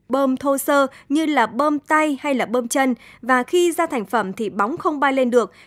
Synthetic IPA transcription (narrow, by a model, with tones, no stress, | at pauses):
ɓəː˧mt̪ʰo˧səː˧ɲɨ˧laː˨˩ɓəː˧mt̪a˧jha˧jlaː˨˩ɓəː˧mt͡ɕə˧nvaː˨˩xi˧zaː˧t̪ʰa˧˩jŋ̟fə˧˩mt̪ʰi˨˩ɓa˨˦wŋ͡mxə˧wŋ͡mɓaː˧jle˧nɗɨ˨˩ək̚